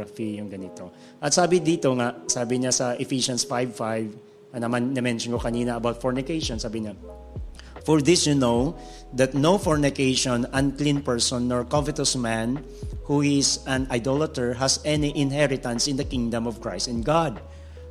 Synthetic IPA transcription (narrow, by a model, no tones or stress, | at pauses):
fijʊŋɡɐnɪt̪o | ʔɐt̪̚saːbɪd̪iːt̪oŋaʔsaːbɪɲasɐʔɪfiʃɐnsfajvfajv | ɐnɐmannɪmɛnʃɔnkokɐniːnɐːbawt̪̚fɔɹnɪkejʃɔnsaːbɪɲa | fɔɹðɪsjʊnow | d̪ɐt̪̚nowfɔɹnɪkejʃɔ̃nɐ̃nklĩnpɛɹsɔ̃nːɔɹkɔvɪt̪ɔsmãn | huɪsɐ̃najd̪olɐt̪ɛɹɦɐsɛniʔɪ̃nɦɛɹɪt̪ɐ̃nsɪ̃nd̪ɐkɪ̃ŋd̪ɐ̃mɔvkɹajst̪ɪ̃nɡad̪̚